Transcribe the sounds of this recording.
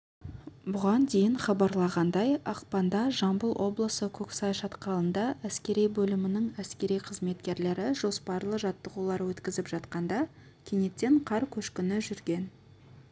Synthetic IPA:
bʊʁɑnd̪e̞jɪɴχɑbɑɾlˠɑʁɑnd̪ɑjɑqpɑnd̪ɑʒɑmbəlˠwʔo̞blˠəsəkʲʰɵksɑjʃɑt̪qɑlˠənd̪ɑʔæskʲe̞ɾijbɵlɪmɪnɪŋæskʲe̞ɾijqʰəzme̞t̪kʲe̞ɾle̞ɾɪʒo̞spɑɾlˠəʒɑt̪ːəʁulˠɑɾwɵt̪kʲɪzɪpʒ̥ɑt̪qɑnd̪ɑ | kʲʰene̞t̪ːe̞ɴqʰɑɾkʲʰɵʃkʲɪnɪʒʏɾɡʲe̞n

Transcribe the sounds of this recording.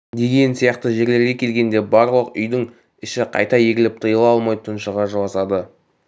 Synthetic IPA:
d̪e̞ɡʲe̞nsijɑqt̪əʒe̞ɾle̞ɾɡʲe̞kʲʰe̞lɡʲe̞nd̪e̞bɑɾlˠəqʏjd̪ɪŋ | ɪʃɪqʰɑ̰jt̪ɑje̞ɡʲɪlɪp̚t̪ʰəjəlˠɑlˠmɑjt̪ʰənʃəʁɑʒolˠɑsɑd̪ə

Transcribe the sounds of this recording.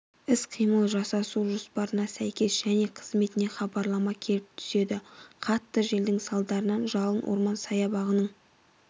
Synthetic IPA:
ɪsqʰijməlˠʒɑsɑsuʒospɑɾənɑsæjkʲe̞sʒ̥æne̞qʰə̥zme̞t̪ɪne̞χɑbɑɾlˠɑmɑkʲʰe̞lɪp̚t̪ʰʏ̥se̞d̪ɪqʰɑt̪ːəʒe̞ld̪ɪŋsɑlˠd̪ɑɾənɑnʒɑlˠənwo̰ɾmɑnsɑjɑbɑʁənəɴ

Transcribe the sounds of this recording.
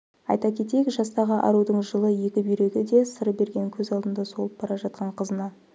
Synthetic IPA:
ɑ̰jt̪ɑkʲʰe̞t̪e̞jekʒɑst̪ɑʁəʔɑ̰ɾud̪əɴʒəlˠəje̞kʲɪbʏjɾe̞ɡʲɪd̪e̞səɾbe̞ɾɡʲe̞ŋkʲʰɵzɑlˠd̪ənd̪ɑso̞lˠəp̚b̥ɑɾɑʒɑt̪̚qɑɴqʰəzənɑ

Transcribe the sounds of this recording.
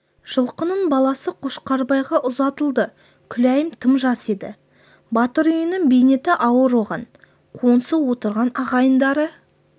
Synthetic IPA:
ʒ̥əlˠqənəɴbɑlˠɑsəqʰoʃqɑɾbɑjʁɑʔʊzɑt̪əlˠd̪ə | kʲʰʏlæjɪmt̪ʰəmʒɑse̞d̪ɪ̰ | bɑt̪əɾʏjənɪŋbejnet̪ɪʔɑwəɾwoʁɑn | qʰo̞nsəwo̞t̪əɾʁɑnɑʁɑjənd̪ɑɾə

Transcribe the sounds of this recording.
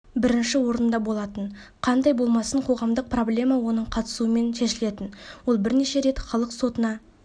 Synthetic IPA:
bɪɾɪnʃɪwo̞ɾənd̪ɑbo̞lˠɑt̪ən | qʰɑnd̪ɑjbo̞lˠmɑsəɴqʰo̞ʁɑmd̪əq̚pro̞blʲe̞mɑwo̞nəɴqʰɑt̪ə̥suəme̞nʃe̞ʃɪle̞t̪ɪnwo̞lˠbɪɾneʃe̞ɾe̞t̪χɑlˠəqso̞t̪ənɑ

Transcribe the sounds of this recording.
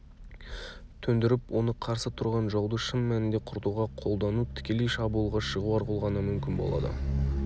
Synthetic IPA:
t̪ʰɵnd̪ɪɾɪpwo̞nəqʰɑɾsət̪ʰʊɾʁɑnʒɑwd̪əʃəmːænɪnd̪eqʰʊɾt̪uʁɑqʰo̞lˠd̪ɑnut̪ʰɪ̥kʲe̞le̞jʃɑbuəlˠʁɑʃəʁuɑɾqulˠʁɑnəmʏmkʲɪnbo̞̰lˠɑ̰d̪ə̰

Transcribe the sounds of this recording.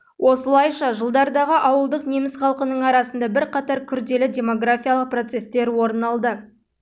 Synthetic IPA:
wʔo̞səlˠɑjʃɑʒəlˠd̪ɑɾd̪ɑʁəʔɑwəlˠd̪əqne̞mɪsχɑlˠqənəɴɑɾɑsənd̪ɑbɪɾqɑt̪ɑɾkʲʰʏɾd̪e̞lɪdʲe̞mo̞ɡrafʲijalˠəq̚pro̞t̪se̞st̪e̞ɾwo̞ɾnɑlˠd̪ə

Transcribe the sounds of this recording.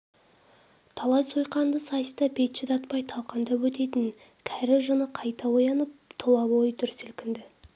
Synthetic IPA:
t̪ʰɑlˠɑjsojqɑnd̪əsɑjst̪ɑbe̞t̪ʃɪd̪ɑt̪pɑjt̪ʰɑlˠqɑnd̪ɑwɵt̪e̞t̪ɪn | kʲʰæɾɪʒənəqʰɑjt̪ɑwojɑnəp̚t̪ʰʊlˠɑbo̞jt̪ʰʏɾsɪlkʲɪnd̪ɪ

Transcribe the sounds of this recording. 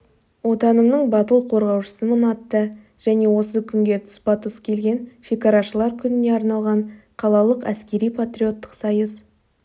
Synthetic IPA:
wo̞t̪ɑnəmnəɴbɑt̪əlˠqʰo̞ɾʁɑwʃə̥səmənɑt̪ːə | ʒ̥æne̞wo̞səkʲʰʏŋɡʲe̞t̪ʰʊ̥spɑt̪ʰʊskʲʰe̞lɡʲe̞nfikaɾɑʃəlˠɑɾkʲʰʏnɪne̞ɑɾnɑlˠʁɑɴqʰɑlˠɑlˠəqæ̰skʲe̞ɾijpʰat̪ɾio̞t̪ːə̥qsɑjəs

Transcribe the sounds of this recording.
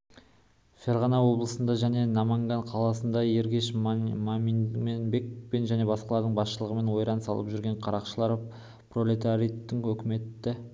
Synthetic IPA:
fʲe̞ɾʁɑnɑwo̞blˠəsənd̪ɑʒæne̞nɑmɑŋɡɑɴqʰɑlˠɑsənd̪ɑje̞ɾɡʲe̞ʃmamimenbe̞k̚pe̞nʒæne̞bɑsqɑlˠɑɾd̪əɴbɑsʃəlˠəʁəme̞nwo̞jɾɑnsɑ̰lˠəpʒʏɾɡʲe̞ɴqʰɑɾɑqʃəlˠɑɾ | prolʲet̪aɾijt̪ːɪŋɵkʲɪme̞t̪ːɪ

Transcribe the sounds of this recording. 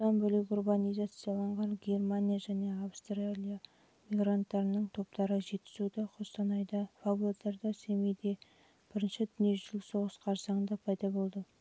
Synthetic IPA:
t̪ɑnbʏlɪkʲurbanijzat̪sijɑlˠɑɴʁɑnɡʲe̞rmanʲijaʒæne̞avst̪rialʲija | mijɡɾant̪ːɑɾənəɴt̪ʰo̞pt̪ɑɾəʒe̞t̪ːɪ̥zud̪ɪqʰost̪ɑnɑjd̪ɑfablet̪ːɑɾd̪ɑsemejd̪e̞ | b̥ɪɾɪnʃɪd̪ʏnije̞ʒʏlso̞ʁəsqʰɑɾsɑŋənd̪ɑpʰɑjd̪ɑbo̞lˠd̪ə

